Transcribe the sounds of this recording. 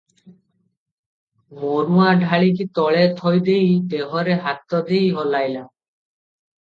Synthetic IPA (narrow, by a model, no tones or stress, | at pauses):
monuaɖʱaɭik̬it̪ɔɭet̪ʰɔjd̪ejd̪eɦɔɾeɦat̪ːɔd̪ejɦɔlajla